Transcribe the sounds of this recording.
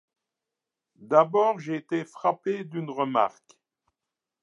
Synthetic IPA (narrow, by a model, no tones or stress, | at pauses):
d̪abɔːʁʒeːt̪efχaped̪ynʁəma̰ʁk